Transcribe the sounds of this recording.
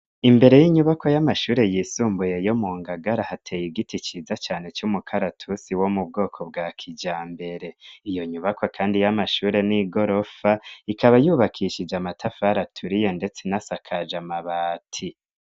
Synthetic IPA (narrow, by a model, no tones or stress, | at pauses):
imbe̞ɾe̞jiɲuβakojamaʃuːɾe̞jisuːmbuje̞jo̞muːŋɡaɡaɾahatʰejiɡitit͡ʃiːzat͡ʃaːne̞t͡ʃumukʰaɾatʰusiwo̞mub̚ɡo̞ːkʰo̞bɡakʰid͡ʒaːmbe̞ɾe̞ijo̞ɲuβakʰokʰaːndijamaʃuːɾe̞niɡo̞ɾo̞faikaβajuːβakʰiʃid͡ʒamatʰafaɾatʰuɾijo̞nde̞t͡se̞nasakʰad͡ʒamaβaːtʰi